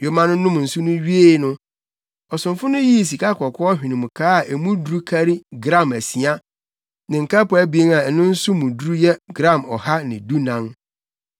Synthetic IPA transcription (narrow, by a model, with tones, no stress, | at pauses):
jo˨mã˦nʊ̃˦nʊ̃˦m˨n̩˨sʊ˦nʊ̃˦ɥi˦e˦˨˦nʊ̃˦ | ɔ˨sʊ̃˨mfʊ˦nʊ̃˦ji˦˨s̬i˨ka˦kʰɔ˨kʰɔ˦ɔ˦ɦᶣɪ̃˨nʊ̃˨m˨kʰaː˦a˨ʔe˨mũ˦du˨ɾu˦kʰa˦ɾi˦ɡɾã˦˨mæ˨si˨a˦ | nɪ̃˨ŋ̩˨kʰa˦pʊ˨˦æ˦bi˨˦e˦ŋa˨ɛ˨nʊ̃˦n̩˦sʊ˦mʊ̃˨dɾu˦jɛ˦ɡɾã˦˨mɔ˨ha˦nɪ̃˨du˦nã˦n